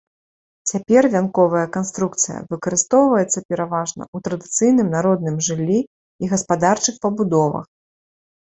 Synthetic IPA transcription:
t͡sʲapʲɛrvʲankɔvɐjɐkanst̪ɾuk̚t̪sɨjɐ̰vɨkɐɾɨst̪ɔwvɐjɛt̪sːɐpʲɛɾavaʐnɐ̰ut̪ɾɐd̪ɨt̪sɨjn̪ɨmnaɾɔd̪̚nɨmʐɨlʲːiː | ɣɐspad̪art͡ʂɨxpɐbud̪ɔvɐ̰x

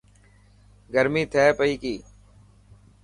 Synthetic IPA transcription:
ɡəɾmiːt̪ʰɛːpəiːkiː

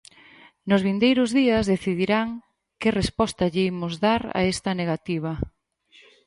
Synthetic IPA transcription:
nʊzβind̪ejɾʊzðiɐzðeθiðiɾaŋ | kɪrespɔst̪ɐʎimʊzðaɾa̰est̪ɐneɣat̪iβ̞ɐ

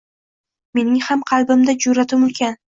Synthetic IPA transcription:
me̞nɪŋhamqʰɑlˠbɪmd̪ad͡ʒʊɾat̪ʰɪmʊlkʲʰan

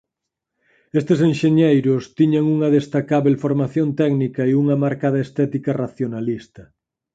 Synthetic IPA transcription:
est̪es̬enʃeɲejɾʊst̪iɲaŋuŋɐðest̪akaβelfoɾmaθjont̪ɛɡnikɐeuŋɐmaɾkaðɐest̪ɛt̪ikɐraθjonalist̪ɐ

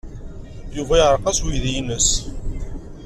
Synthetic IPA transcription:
juvæjʁɾˤqɑswiðijənəs

